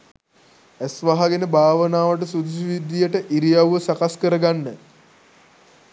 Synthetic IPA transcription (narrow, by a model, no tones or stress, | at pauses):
æsʋaɦaɡenəbʱaːʋənaːʋəʈ̬əsud̪usiʋid̪ːijəʈəʔiɾijawːəsakaskəɾəɡanːə